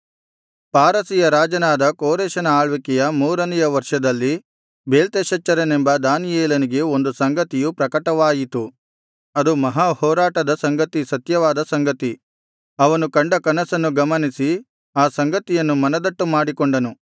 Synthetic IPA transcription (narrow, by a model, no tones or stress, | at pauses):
paːɾɐsijɐɾaːd͡ʒɐnaːd̪ɐkoːɾeːʃɐnɐaːɭʋikɛjɐmuːɾɐnijɐʋɐɾʂɐd̪ɐlːi | beːlt̪eːʃɐt͡ʃːɐɾɐnembɐd̪aːnijeːlɐniɡe̞o̞nd̪usɐŋɡɐt̪ijupɾɐkɐʈɐʋaːjit̪u | ɐd̪umɐɦaːhɔːɾaːʈɐd̪ɐsɐŋɡɐt̪isɐt̪jɐʋaːd̪ɐsɐŋɡɐt̪i | ɐʋɐnukɐɳɖɐkɐnɐsɐnːuɡɐmɐnisi | aːsɐŋɡɐt̪ijɐnːumɐnɐd̪ɐʈːumaːɽikoɳɖɐnu